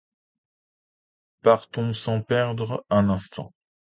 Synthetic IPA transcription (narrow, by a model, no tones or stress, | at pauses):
paʁt̪ɔ̃sɑ̃pɛʁd̪ʁɛ̃nɛ̃st̪ɑ̰̃